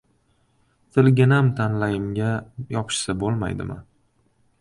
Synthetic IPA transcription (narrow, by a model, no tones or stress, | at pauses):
t̪ʰɪlɡʲɪnamt̪ʰanlajɪmɡʲajɒpʰɪ̥ʃsabolˠma̰jd̪ɪ̰ma̰